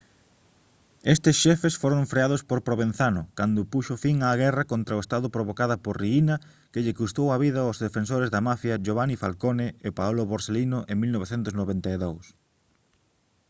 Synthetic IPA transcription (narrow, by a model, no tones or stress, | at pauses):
est̪esʃɛfesfoɾoɱfɾeaðospoɾpɾoβẽn̟θanʊkand̪ʊpuʃʊfiŋaːɣɛrɐkont̪ɾɐoest̪aðʊpɾoβ̞okaðɐpoɾriinɐ | keʎɪkust̪owɐβiðɐozðefensoɾezðɐmafjɐʒoβanifalkoneepaoloβoɾselinʊʔeŋmilnoβeθent̪ʊsnoβent̪aeðows